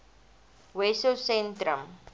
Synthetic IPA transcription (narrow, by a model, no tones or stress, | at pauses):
wɛsosɛ̃ntɾəm